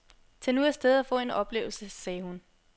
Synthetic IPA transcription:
t͡sʰenuæɐsd̥eð̞ˠæfɔ̰̽ːe̝nɒ̽b̥le̝̰ːʊl̩səsɛːhun

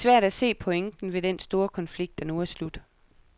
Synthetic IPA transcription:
sʋæɐ̰ɾ̥æse̝̰ːpʰɒ̽eŋd̥n̩ʋe̝d̥ensd̥o̝ːɐkʰɒ̽nfliɡ̥̚d̥ænuæslud̥

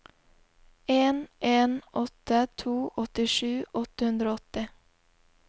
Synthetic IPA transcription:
eːnʔeːnʔɔt̪ːət̪ʰuːʔɔt̪ɪʂʉːʔɔt̪əhʉnd̪ɾoːɔt̪ɪ

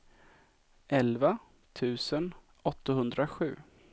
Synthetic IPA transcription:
ʔɛlva | t̪ʰʉ̟ːsən | ɔt̪ːahɵnd̪ɾaɧʉ̟ː

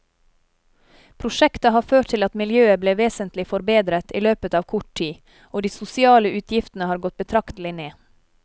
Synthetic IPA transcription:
pʰɾʊʃɛkt̪ɑhɑːɾføːʈt̪ʰɪlɑt̪mɪljøːəbleːʋeːsənt̪lɪfɔɾbeːd̪ɾət̪ʰiːløːpət̪ɑːʋkʰʊʈʰiː | oːd̪iːsʊsɪɑːləʉːt̪ʰjɪft̪ən̩əhɑːɾɡɔt̪̚bət̪ʰɾɑkt̪lɪneː

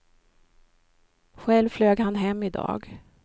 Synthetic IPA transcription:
ɧɛlvfløːɡhanɦɛmːɪd̪ɑ̰ːɡ

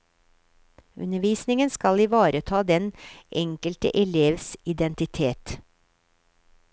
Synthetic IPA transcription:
ʉ̰nəʋiːsnɪŋənskɑlɪʋɑːɾət̪ʰɑːd̪ɛnʔɛŋkəlt̪ə̰ʔɛleːʋsɪd̪ɛnt̪ɪt̪ʰeːt̪

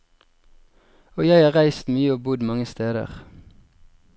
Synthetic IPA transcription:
oːjæɪɑːʁæɪst̪myːəoːbʊd̪mɑŋəst̪eːd̪ə̰ʁ

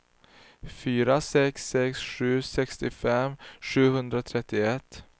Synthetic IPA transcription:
fyːɾasɛksːɛksɧʉ̟ːsɛkst̪ɪfɛmɧʉ̟ːhɵnd̪ɾat̪ʰɾɛt̪ːɪɛt̪ː

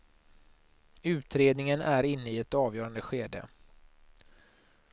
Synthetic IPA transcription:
ʉ̟ːt̪ɾeːd̪nɪŋənʔæɾɪnːəɪɛt̪ɑːvjœːɾand̪əɧeːd̪ə̰

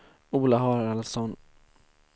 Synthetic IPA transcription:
uːlaɦɑːɾalsɔn

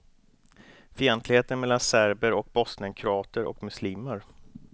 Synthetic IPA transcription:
fiɛnt̪lɪɡheːt̪ənmɛlːansæɾbəɾɔk̚bɔsnənkʰɾʊɑːt̪əɾɔ̰kmɵsliːməɾ

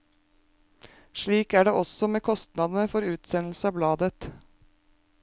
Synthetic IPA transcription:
ʃɭiːkæːɖeːʔɔsɔmeːkʰɔst̪nɑd̪n̩əfɔɾʉːt̪sɛnl̩səɑːblɑːd̪ət̪

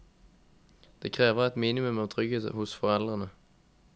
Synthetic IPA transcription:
d̪̥eːkʰʁeːʋəʁɛt̪miːnɪmʉmɑːʋt̪ʰʁʏɡeːt̪ə̰hʊsfɔʁɛld̪ʁənə

